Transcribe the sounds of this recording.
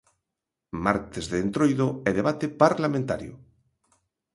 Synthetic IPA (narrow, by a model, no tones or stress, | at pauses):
maɾt̪ezðeːnt̪ɾojðoɛðeβ̞at̪epaɾlamẽnt̪a̰ɾjo̰